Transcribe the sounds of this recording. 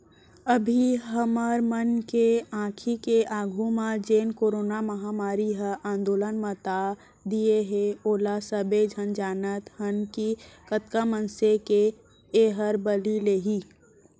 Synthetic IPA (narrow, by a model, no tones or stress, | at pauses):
əbʱiɦəməɾmənkeãːkʰikeʔaːɡʱũmãd͡ʒeːnkoːɾoːnaməɦamaːɾiɦəʔãːnd̪oːlənmə̃t̪a | d̪ieɦeoːlasəbed͡ʒʱənd͡ʒaːnət̪hənkikət̪kamənseke | eːɦəɾbəlileːɦi